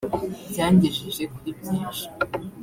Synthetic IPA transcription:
bjaːɲɟiʒiʒekuɾibɟiːnʃi̥

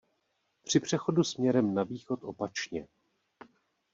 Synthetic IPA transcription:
pr̝̥ɪpr̝̥ɛxo̞dusmɲɛɾɛmnaviːxo̞t̪ʔo̞pat͡ʃɲɛ

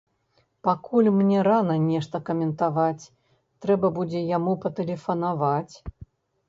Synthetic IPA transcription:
pakulʲmnʲɛɾanɐnʲɛʂt̪ɐkɐmʲɛnt̪avat͡sʲ | t̪ɾɛbɐbud͡zʲɛjamupɐt̪ɛlʲɛfɐnavat͡sʲ

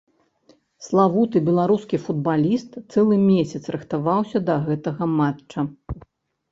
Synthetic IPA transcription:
slˠavut̪ɨbʲɛlˠaɾuskʲifud̪̚balʲist̪sɛlˠɨmʲesʲɐt̪sɾɨxt̪avawsʲɐd̪ɐɣɛt̪ɐɣɐmaɐ

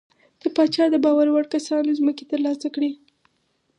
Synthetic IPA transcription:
d̪̥əpɑt͡ʃɑd̪əbɑwaɾwaɽkasɑnozməket̪əɾlɑsakɽi

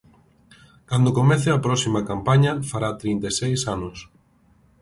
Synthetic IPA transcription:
kand̪okomɛθeɐpɾɔsimɐkampaɲɐfaɾat̪ɾint̪esejsanʊs

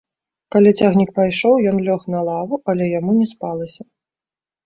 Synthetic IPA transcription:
kalʲit͡sʲaɣnʲik̚pajʂɔwjɔnlʲɔxnɐlˠavuʔɐlʲɛjamunʲɛspalˠɐsʲɐ

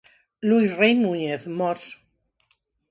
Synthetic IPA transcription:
luisrejmuɲeθmos

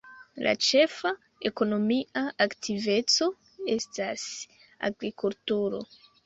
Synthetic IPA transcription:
lʔa̰t͡ʃe̞fa | eko̞no̞miaaktive̞t͡so̞ | e̞stas | a̰ɡɾikultuɾo̞̰

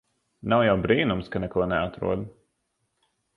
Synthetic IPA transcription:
nawjawbɾiːnumskanɛkuɔnɛat̪ɾṵɔd̪

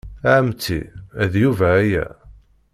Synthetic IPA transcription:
aʕəmt͡sːḭæðjuvæːjæ̰

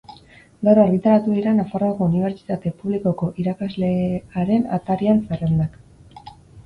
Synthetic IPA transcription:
ɡawɾoaɾɣit̪aɾat̪uðiɾanafaroako̞uniβ̞e̞ɾt͡ʃi̥t̪at̪e̞puβliko̞ko̞ʔiɾakazle̞aɾe̞na̰t̪aɾianserend̪ak

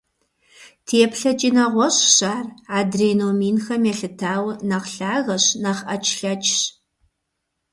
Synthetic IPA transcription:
tʰeːpɬɐt͡ʃʼiːnɐʁʷɔɕɕaːraːdreːnoːmiːnxɐmɛɬɨtʰaːwnɐqɬaːɣɐɕnɐχɐt͡ʃʰɬɐt͡ʃʰʼɕ

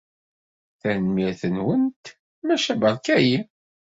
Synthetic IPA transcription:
θænmiɾθənwənt̪ | mæʃæbɑɾˤkæji

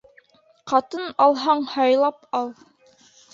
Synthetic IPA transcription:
qɑt̪ɤnɑlˠɦɑɴhɑjlˠɑpɑlˠ

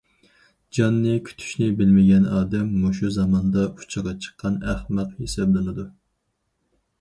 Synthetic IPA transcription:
d͡ʒɑnːɨkʲʰy̥t̪ʰy̥ʃnɪbɪlmɪɡʲɛnɑːd̪ɛmːoʃuzɑmɑnd̪ɑu̥t͡ʃʰəʁɑt͡ʃʰə̥qʰːɑnæhmæt̪hesɑblɨnɨd̪u

